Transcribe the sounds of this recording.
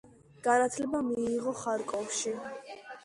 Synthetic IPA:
ɡ̥anat̪ʰlɛbamiːʁɔχaɾkʼɔfʃi

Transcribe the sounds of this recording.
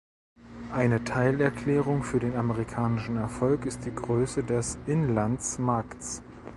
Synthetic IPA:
ʔaɪnətʰaɪlɛɐkʰl̥ɛːʁ̞ʊŋfyːɐdeːnaməʁikʰaːnɪʃn̩ɛɐfɔlkɪst̚d̥iːɡʁøːsədɛsʔɪnlant͡smaɐkts

